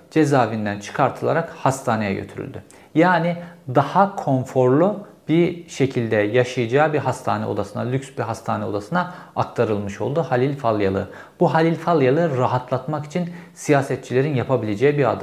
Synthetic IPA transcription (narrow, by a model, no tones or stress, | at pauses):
d͡ʒe̞zaːvind̪ænt͡ʃʰɯ̥kʰaɾt̪ʰɯlˠa̰ɾakhast̪ʰaːne̞jɛ̰ɟø̰t̪ʰyɾy̰lʲd̪y̰ | jaːnid̪ahakʰo̞nfo̞ɾlˠu | b̥iɾʃe̞cʰilʲd̪ɛjaʃɯjɯd͡ʒaːbiɦast̪ʰa̰ːnɛ̰od̪asɯna̰lʲycʲsbiɦast̪ʰaːnɛo̞d̪asɯnaakt̪ʰaɾɯlˠmɯʃo̞̰lˠd̪uhalʲilʲfalˠjalˠɯ̰ | buɦalʲilʲfalˠjalˠɯɾaɦat̪ʰlˠat̪maki̥t͡ʃʰinsijaːsɛt̪t͡ʃʰilʲe̞ɾinjapʰabilʲe̞d͡ʒɛjibiɾa̰d̪ɯm